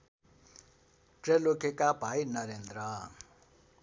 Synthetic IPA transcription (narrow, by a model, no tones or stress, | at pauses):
ʈ͡ʂɛlokɛkabʱajnaɾend̪ɾa